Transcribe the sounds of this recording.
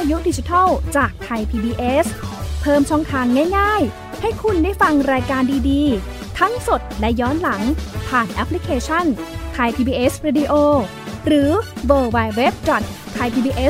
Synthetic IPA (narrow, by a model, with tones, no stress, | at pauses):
pʰaː˧ju˦˥diː˧t͡ɕi˧t̪ʰa˥˩wt͡ɕaː˨˩k̚t̪ʰa˧jpʰiː˧biː˧ʔe˦˥spʰɤː˧mt͡ɕʰɔː˥˩ŋt̪ʰaː˧ŋːaː˥˩jŋaː˥˩j | ha˥˩jkʰu˧nda˥˩jfa˧ŋɾaː˧jkaː˧ndiː˧diː˧ | t̪ʰa˦˥ŋso˨˩t̪̚lɛ˦˥jɔː˦˥nla˩˦ŋpʰaː˨˩nʔɛ˦˥pʰːli˦˥kʰeː˧t͡ɕʰa˥˩nt̪ʰa˧jp̪ʰiː˧biː˧ʔe˦˥sɾiː˧diː˧ʔoː˧ | ɾɯː˩˦wɤː˧wa˧jwe˦˥p̚t͡ɕɔ˨˩t̪̚ʰːa˧jtpʰiː˧biː˧ʔe˦˥s